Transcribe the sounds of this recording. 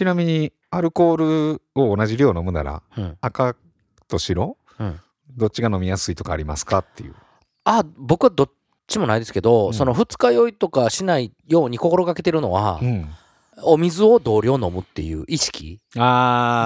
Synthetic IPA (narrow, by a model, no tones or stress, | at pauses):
t͡ɕinamʲiɲ̟i | aɾɯ̟ko̞ːɾɯ̟oːnaʑiɾʲo̞ːno̞mɯ̟na̰ɾa̰ɯ̃ːka | t̪o̞ɕiɾo̞ | ɯ̟̃ | d̪o̞t͡ɕiɡano̞mʲijasɨit̪o̞ka̰ːɾʲimasɨ̥kat̪ʰːejɯ̟̰ | abo̞kɯ̟βad̪o̞ | t͡ɕimo̞naid̪e̞sɨ̥ke̞d̪o̞so̞no̞ɸɯ̟t͡sɨ̥kajo̞it̪o̞kaɕinaijo̞ːɲ̟iko̞ko̞ɾo̞kake̞t̪e̞ɾɯ̟no̞̰βa̰ɯ̟̃ɴ | omʲizɨo̞d̪o̞ːɾʲo̞no̞mɯ̟t̪ːe̞̰jɯ̟̰ːʔiɕi̥kʲḭaː